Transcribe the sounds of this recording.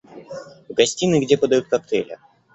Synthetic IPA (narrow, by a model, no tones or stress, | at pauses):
vɡɐsʲtʲinɨɡdʲepəd̪ɐjut̪̚kɐk̚t̪ɛ̰lʲɪ̰